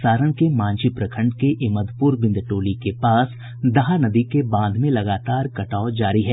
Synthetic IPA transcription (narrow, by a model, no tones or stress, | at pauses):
saːɾənkemãːɲt͡ʃipɾɐkʰə̃ɳɖkeʔɪməd̪puːɾbɪ̃nd̪ʈoːlikepaːs | d̪ɐɦanɐd̪ikebãːnd̪ʱmẽlɐɡaːt̪aːɾkɐʈaːod͡ʒaːɾiɦɛː